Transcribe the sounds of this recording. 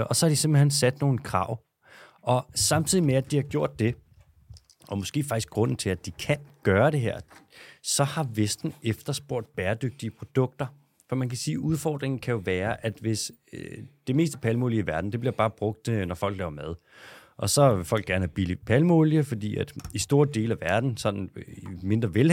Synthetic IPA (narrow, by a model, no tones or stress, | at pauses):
ʔɒ̽sɒ̽hɑ̈d̥isemb̥l̩hensæd̥no̝ːn̩kʰʁɑ̈ʊ̰ | ʔɒ̽sɑ̈mt͡sʰið̞̰ˠimeæd̥ihɑ̈ɡ̥jo̝ɐ̰d̥̚ːe̝ | ʔɒ̽mosɡ̥e̝̰ːfɑ̈ɡ̥isɡ̥ɡ̥ʁɔ̽n̰n̩t͡sʰeæd̥ikʰænɡ̥ɶːɐɾ̥e̝ɦeɐ̰sɒ̽hɑ̈ʋesd̥n̩efd̥ɐsb̥o̝ɐ̰d̥̚b̥æːɐd̥øɡ̥̚d̥iəpʰʁo̝d̥ɔ̽ɡ̥̚d̥ɐ | fɒ̽mænkʰæsiːʔuðˠfɒ̰ːd̥ʁeŋn̩kʰæjo̝ʋæːɐʔæd̥ʋe̝s | d̥e̝me̝̰ːsd̥əpʰælmo̝liəiʋæɐd̥n̩d̥e̝b̥liɐb̥ɑ̈ːb̥ʁɔ̽ɡ̥̚d̥nɒfɒ̽l̰ɡ̥lɛːʊɐmæðˠ | ʔɒ̽sɒ̽ʋe̝fɒ̽l̰ɡ̥æɐnəæb̥ilipʰælmoljəfɒ̽d̥ḭːæd̥isd̥o̝ːɐd̥e̝̰ːlæʋæɐd̥n̩sɒ̽nn̩ime̝nd̥ʁɐʋel